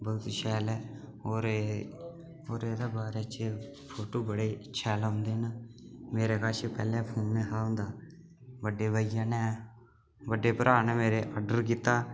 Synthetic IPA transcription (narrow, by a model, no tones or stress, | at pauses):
bəʊt̪ʃɛːlɛː | oːɾe | oːɾeːd̪aːbaːɾet͡ʃe | pʰoːʈoːbəɽeːɪtːʃʰaːlãːnd̪eːnmeːɾeːkaːʃepɛːlẽːpʰoːnːeːɦaːõːnd̪aː | ʋəɖːeːbəːɪjãːnɛː | ʋəɖeːpəɾʔaːnɛːmeːɾeːʔaɖəɾkiːt̪ːaː